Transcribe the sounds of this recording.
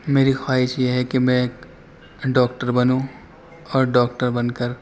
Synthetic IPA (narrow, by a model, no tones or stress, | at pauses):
meːɾixwaːɦɪʃjeɦɛkemɛ̃ | ɖɔːk̚ʈəɾbɐnũ | ɔːɾɖɔːk̚ʈəɾbɐnkəɾ